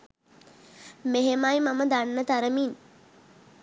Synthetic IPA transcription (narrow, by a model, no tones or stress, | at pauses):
meɦemajmaməd̪anːət̪aɾəmin